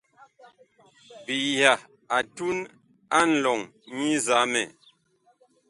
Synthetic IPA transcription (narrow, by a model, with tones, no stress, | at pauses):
bi˨ja˨ | a˨tu˦n | a˦n̩˨lɔ˨ŋ | ɲi˦za˨˦mɛ˨